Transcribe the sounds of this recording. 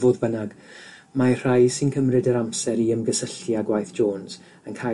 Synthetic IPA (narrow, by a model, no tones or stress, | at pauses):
voːðbənaɡ | mar̥ajsɪnkʰəmrɨdəɾamsɛɾiəmɡəsəɬjaɡwajθʒ̥oːnz̥ | ənkʰa